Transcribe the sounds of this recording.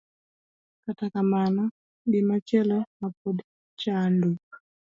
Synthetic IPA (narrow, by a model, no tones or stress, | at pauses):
katakamana | ɗɪmat͡ʃɛlɔmap̚ɔd | t͡ʃanduk̚